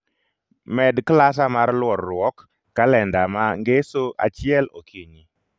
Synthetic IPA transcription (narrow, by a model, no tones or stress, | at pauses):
mɛdklas̬amarlwɔɾːʊwɔkː | alɛndamaŋɡesoʔa̰t͡ʃɪɛlokʰiɲi